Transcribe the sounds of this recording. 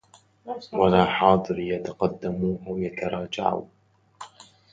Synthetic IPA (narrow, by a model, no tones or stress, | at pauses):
walaːħɑːd̪ˤɨɾjat̪aqɑd̪ːamuːhawjat̪ʰɑɾˤɑːd͡ʒa̰ʕṵ